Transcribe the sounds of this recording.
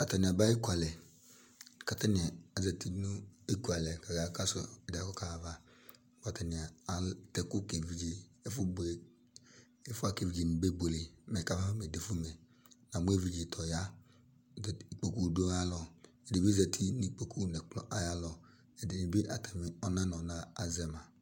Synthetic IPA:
a˨ta˨nɪ̃˨a˨ba˦e˦ku˦a˨lɛ˨ | ka˨ta˦nɪ˨a˦za˨ti˦nu˦e˦ku˨a˨lɛ˨ka˨ɡa˨ka˦so˨ɛ˨da˦kɔ˦ka˨va˦ | wa˨ta˨nɪ˨a˨a˨tɛ˨kʊ˦ke˨vi˦d͡ʒe˦e˦fʊ˦bo˨ | e˦fʊ˦a˦ke˨vi˦d͡ʒi˨n˨be˦bo˨le˨mɛ˨ka˦va˦fu˦me˨de˨fu˦me˨ | n˨a˨mu˦e˦˨vi˨d͡ʒi˨tʰɔ˨ja˦˨ | k͡po˨ku˦do˦a˦lɔ˨ | e˨de˨bi˦zɛ˨tʰi˦ni˨˦k͡pe˨kʰu˦nɛ˨k͡plɔ̰˨ʔa˨ja˦lɔ˨ | ɛ˨de˨ni˨bi˦ʔa˨tɛ˨mi˨ɔ˦na˦nɔ˨naː˦˨zɛ˦ma˨

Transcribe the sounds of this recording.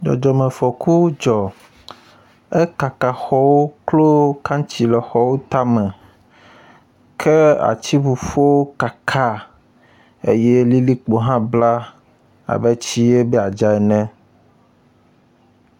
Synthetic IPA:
d͡ʒɔ̰˨d͡ʒɔ˨mɛ̃˨fɔ˨ku˦d͡ʒɔ˨ | e˦ka˨ka˨xɔ˦wo˦klo˦kã˦t͡ɕi˨lɛ˨xɔ˦wo˦t̪a˦mɛ̃˨ | kʰe˦a̰˨t͡ɕi˦vu˨fo˦wo˦ka˨kʰa˦ | e˦je˦li˦li˦k͡po˨ɦã˦bla˦ | a̰˨bɛ˦t͡ɕi˦e˦bɛ˦a˨d͡ʒa˨ɛ˨nɛ̃˦

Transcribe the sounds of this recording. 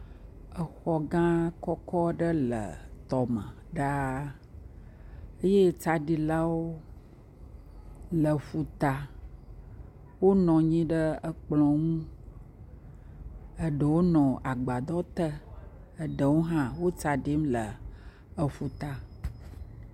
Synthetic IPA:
ə˨xɔ˨ɡã˦kɔ˦kɔ˦ɖə˦lə̰˨t̪ɔ˨mə̰̃˨ | ɖa˦ | ə˦je˦t͡sa˨ɖi˨la˦wo˦ | lə˨fu˨t̪a˨ | wo˦nɔ̃˨ɲĩ˦ɖə˦ə˨k͡plɔ̃˨ŋũ˦ | ə˨ɖə˨wo˦nɔ̃˨ʔa˨ɡ͡ba˨d̪ɔ˦t̪ə˦ | ə˨ɖə˨wo˦ɦã˦wo˦t͡sa˨ɖi˦mlə˨ | ə˨fu˨t̪a˨

